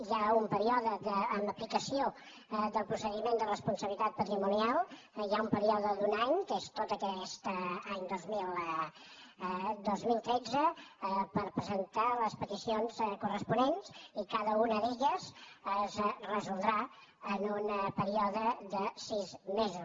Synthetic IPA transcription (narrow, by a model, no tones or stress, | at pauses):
ʒaumpəɾiɔðəðəːməplikəsio | d̪əlˠpɾusəðimend̪ərəspunsəβlit̪at̪̚pət̪ɾimunialˠ | iaumpəɾiɔðəd̪unaɲkest̪ot̪əkɛst̪aɲd̪ozmilˠ | d̪ozmilˠt̪ɾɛd͡zəpəɾpɾəzənt̪aləspət̪isionzkurəspunenzikaðəunəðeʎəzəzrəzulˠd̪ɾa | ənunpəɾiɔðəðəsizmezus